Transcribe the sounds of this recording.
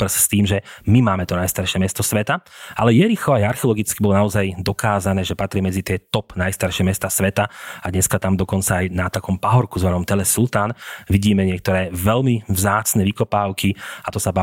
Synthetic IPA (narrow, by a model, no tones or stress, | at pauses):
pr̩sst̪iːmʒɛmimaːmɛt̪ɔnajst̪aɾʃɪɛmɛst̪ɔsʋɛt̪aʔalɛjɛɾixɔajaɾxɛɔlˠɔɡit͡skibɔlɔnaɔzajd̪ɔkaːzanɛːʒɛpat̪ɾɪɛmɛd͡zit̪ɪɛt̪ɔpnajst̪aɾʃɛmɛst̪asʋɛt̪aad̪ɲɛskat̪amd̪ɔkɔnt͡saajnat̪akɔmpaɦɔɾkuzʋanɔmt̪ɛlɛsult̪aːnʋiɟiːmɛɲɪɛk̚t̪ɔɾɛːʋɛlmivzaːt͡snɛʋikɔpaːʊkʰiat̪ɔsaba